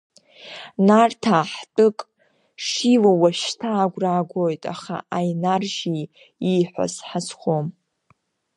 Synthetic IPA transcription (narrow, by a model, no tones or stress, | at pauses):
nartʰaħtʼɨkʼ | ʂilowaʃtʰaːɡʷraːɡʷojtʼa̰χa̰ʔajnarʒi | iħʷa̰zħazχʷom